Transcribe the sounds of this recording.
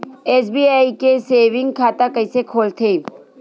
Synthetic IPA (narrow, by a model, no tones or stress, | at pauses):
esbiaikeseːʋɪ̃ŋɡkʰat̪akəɪsekʰoːlt̪ʰen